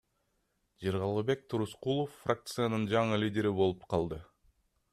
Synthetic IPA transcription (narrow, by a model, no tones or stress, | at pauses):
d͡ʒeɾʁɑlˠʁəbe̞k̚t̪ʰuɾusqulˠofːrak̚t̪sɨjanɯnd͡ʒɑɴɯlʲidʲe̞ɾibo̞lˠupqʰɑlˠd̪ɯ